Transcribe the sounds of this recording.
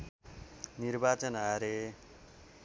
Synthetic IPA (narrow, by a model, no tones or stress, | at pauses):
nirbat͡sʌnaɾe